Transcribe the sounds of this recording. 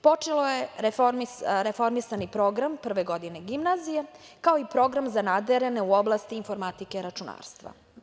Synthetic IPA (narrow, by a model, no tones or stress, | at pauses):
po̞t͡ʂelojeefɾmiɾefo̞ɾmisanipɾo̞ɡɾampr̩ʋeɡo̞d̪ine̞ɡimnazije | kaoipɾo̞ɡɾamzanad̪eɾene̞uo̞blˠast̪iːnfo̞ɾmat̪ike̞ɾat͡ʃuna̰ːɾst̪ʋa̰